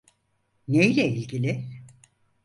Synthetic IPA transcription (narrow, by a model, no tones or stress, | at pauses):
nejlʲɛilʲɡilʲɪ